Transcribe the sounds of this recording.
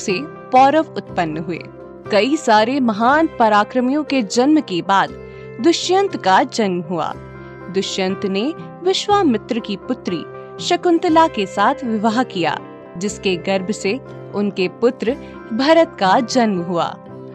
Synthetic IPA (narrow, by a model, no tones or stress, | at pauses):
se | pɔːɾəʋʊt̪̚pənːɦuḛː | kɐisaːɾemɐɦaːnpɐɾaːkɾəmijõked͡ʒɐnmkebaːd̪ | d̪ʊʃjə̃nt̪kad͡ʒɐnmɦua̰ː | d̪ʊʃjə̃nt̪ne | ʋɪʃwamɪt̪ɾəkipʊt̪ɾḭ | ʃɐkʊ̃nt̪ɪlakesaːt̪ʰʋɪʋaɦkija̰ː | d͡ʒɪskeɡɐɾbʱse | ʊnkepʊt̪ɾə | bʱɐɾət̪kad͡ʒɐnməɦua̰ː